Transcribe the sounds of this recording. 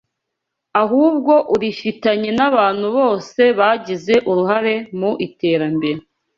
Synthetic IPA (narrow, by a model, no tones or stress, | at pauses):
aɦuːbɡo̞ʔuɾifitaɲe̞naβaːn̥huβo̞ːse̞βaːɟize̞ʔuɾuɦaɾe̞muʔite̞ːɾambeɾe